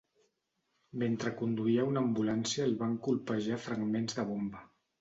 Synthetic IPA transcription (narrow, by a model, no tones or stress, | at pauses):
ment̪ɾəkund̪uiəunambulansiəlβaŋkulˠpəʒafɾəɡmenzðəβ̞ombə